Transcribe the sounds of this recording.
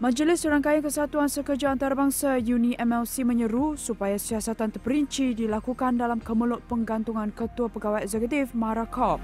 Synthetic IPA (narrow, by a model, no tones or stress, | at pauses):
mə̃d͡ʒəlɪsəɾaŋkajaŋkəsat̪uansəkərd͡ʒaːnt̪aɾabaŋsajuniʔɛmɛlsimə̃ɲəɾusupajasiasat̪ant̪ərpəɾiɲt͡ʃidilakukandalamkəməlʊʔ̚pəŋɡant̪uŋãnkət̪uapəɡawajɛkzɛkut̪ɪfmãɾakʰɔp̚